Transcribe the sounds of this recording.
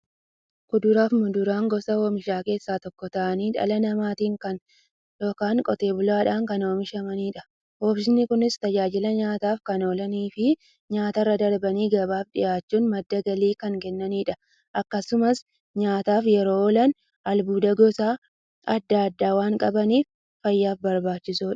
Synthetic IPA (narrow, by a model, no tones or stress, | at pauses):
kʊd̪ʊɾaːfmʊd̪ʊɾaːŋɡɔsɐhoːmɪʃaːke̞ːsːaːt̪ɔkːɔt̪ɐʔɐniːᶑɐ̰lɐnɐmaːt̪iːŋkɐn | jo̞ːkaːŋkʼɔt̪e̞ːbʊlaːᶑaːŋkɐno̞ːmɪʃɐmɐniːᶑɐ | hoːbs̬ɪnːɪkʊnɪst̪ɐd͡ʒaːd͡ʒɪlɐɲaːt̪aːfkɐno̞ːlɐniːfɪ | ɲaːt̪ɐrːɐd̪ɐɾbɐniːɡɐbaːfᶑɪ̰jaːt͡ʃːuːnmɐd̪ːɐɡɐliːkɐŋkɛnːɐniːᶑɐ | ʔɐkːɐsʊmɐs | ɲaːt̪aːfjɛɾo̞ːɔlɐn | ɐlbuːd̪ɐɡɔsaː | ɐd̪ːaːɐd̪ːaːwaːŋkʼɐbɐniːfː | ɐjːaːfbɐɾbaːt͡ʃːɪsuːᶑɐ̥